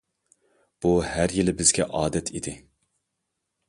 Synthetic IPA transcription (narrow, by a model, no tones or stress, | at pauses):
b̥uhæɾjilɪbɪzɡʲɛʔɑːd̪ɛt̪ʰid̪ɪ